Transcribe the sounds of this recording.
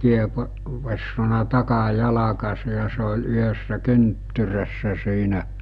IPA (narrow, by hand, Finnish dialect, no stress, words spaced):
ʋesːonɑ tɑkɑjɑlɑkɑse jɑ se ol yhəsːæ kyntːyræsːæ siːnæ